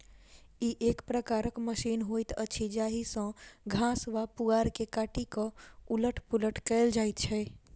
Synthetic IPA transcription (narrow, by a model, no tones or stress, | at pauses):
iʔekpɾəkaɾəkməʃiːnɦojt̪ət͡ʃʰid͡ʒaːɦisə̃ɡʱãːsʋapuaːɾkekaːʈikə̃uləʈʰpuləʈʰkɛɪld͡ʒaːjt̪t͡ʃʰɛ